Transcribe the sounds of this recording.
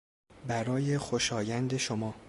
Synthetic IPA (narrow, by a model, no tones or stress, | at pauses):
bæɾɒːjexoʃɒːjænd̪eʃomɒː